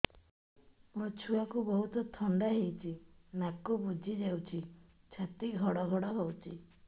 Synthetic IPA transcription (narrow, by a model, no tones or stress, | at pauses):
mut͡ʃʰuakubɔɦut̪ɔt̪ʰɔɳɖaɦejt͡ʃʰinakɔbud͡ʒʱid͡ʒawt͡ʃʰi | t͡ʃʰat̪iɡʱɔɽɔɡʱɔɽɔɦowt͡ʃʰi